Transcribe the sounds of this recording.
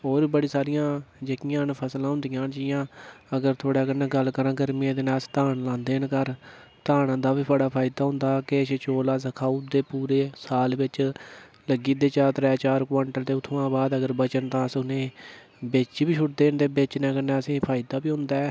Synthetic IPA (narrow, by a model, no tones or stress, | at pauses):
ɦoːɾbəɽiːsaːɾɪjãːd͡ʒəkɪjãːnpʰəslãːɦʊ̃nd̪ɪjãːnd͡ʒɪjãːəɡəɾt̪ʰoːɽaːɡənɛ̃ːɡəlkəɾãːɡəɾmiẽːd̪ɪnaːst̪aːnlãːnd̪eːnkəɾt̪aːnãːd̪aːbiːpəɽaːpʰaːɪd̪aːɦʊ̃nd̪aːkeʃt͡ʃoːlaːsəkʰaːud̪eːpuːɾeːsaːlʋɪt͡ʃ | ləɡiːd̪eːt͡ʃaːt̪ɾɛːt͡ʃaːɾkʋaːɳʈəlt̪eːʊt̪ʰːoːãːbaːd̪əɡəɾbət͡ʃənt̪ãːsʊneː | bet͡ʃːbiːt͡ʃʰʊʈ̚d̪eːnd̪eːbɪt͡ʃnɛːkənɛ̃ːəsĩːpʰaːɪd̪aːbiːɦʊ̃nd̪aː